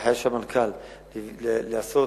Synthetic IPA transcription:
ħajaʃamankʰal | leaso

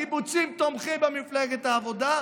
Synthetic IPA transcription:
ibut͡simt̪omχimbemifleɡet̪aːvo̞d̪a

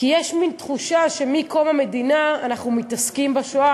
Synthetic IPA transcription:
kijɛʃmint̪χuʃaʃe̞miko̞mame̞dinaːnaχnumit̪askimbaʃoa

